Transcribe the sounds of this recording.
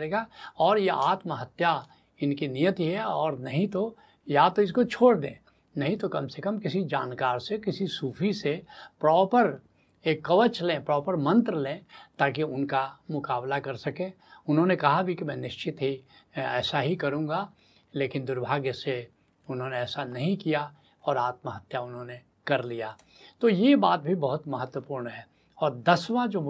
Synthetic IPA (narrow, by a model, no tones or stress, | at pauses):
ɾeːɡaɔːɾjeʔaːt̪məɦɐt̪ja | ɪnkinijət̪iɦɛɔːɾnɐɦĩt̪o | jat̪oɪskot͡ʃʰoːɽd̪ḛ̃ː | nɐɦĩt̪okɐmsekəmkɪsid͡ʒaːnkaːɾsekɪsisuːfʰisepɾɔːpəɾ | eːkːɐʋət͡ʃlẽːpɾɔːpəɾmɐ̃nt̪ɾəlẽːt̪aːkiʊnkamʊkaːblakɐɾsɐkẽː | ʊnɦõːnekɐɦabʱikimɛ̃ːnɪʃt͡ʃɪt̪ɦi | ɛːsaɦikɐɾũːɡa | leːkɪnd̪ʊɾbʱaːɡjəse | ʊnɦõːneɛːsanɐɦĩkija | ɔːɾaːt̪̚məɦɐt̪jaʊnɦõne | kɐɾlijaː | t̪oːjebaːt̪̚bʱibɐɦʊt̪mɐɦət̪wəpuːɾnɦɛː | ɔːɾd̪ɐsʋãd͡ʒoː